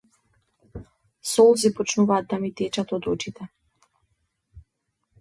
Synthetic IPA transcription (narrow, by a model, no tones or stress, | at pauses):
sɔlˠzipɔt͡ʃnuvaːd̪̚ːamit̪ɛt͡ʃat̪ɔd̪ɔt͡ʃit̪ɛ